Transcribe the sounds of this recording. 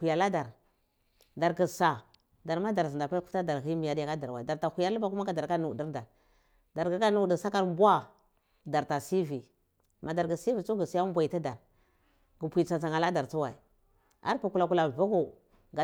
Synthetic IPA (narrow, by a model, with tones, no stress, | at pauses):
u˨ja˨la˦da˨ɾ | da˨ɾɡi˨sa˨ | da˨ɾma˦da˨ɾzi˨da˨pa˦u˦fta˦da˨ɾi˦mi˨ja˨da˦ka˦da˨ɾwa˨da˨ɾta˨hu˨ja˦ɾlu˦ba˨ku˦ma˦ka˨da˨ɾka˦nu˨di˦ɾda˨ɾ | da˨ɾɡa˨ka˦nu˨di˨sa˦ka˦ɾbu˦a˦ | da˨ɾta˨si˦vi˨ | ma˨da˨ɾɡi˨si˦vi˨t͡ʃu˦ɡi˨si˨˦ja˦bʷa˨i˨ta˦da˨ɾ | ɡu˨pʷi˨t͡sa˨t͡sa˨ŋa˨la˦da˨ɾt͡su˦wa˨i˨ | a̰˦ɾpu˨ku˨la˨ku˨la˨va˦ɡu˨ | ɡa˨